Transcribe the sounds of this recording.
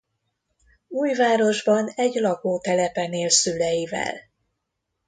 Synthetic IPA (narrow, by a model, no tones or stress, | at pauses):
uːjvaːɾo̞ʒbɒnɛɟlɒɡoːt̪ɛlɛpɛneːlsylɛjivɛ̰l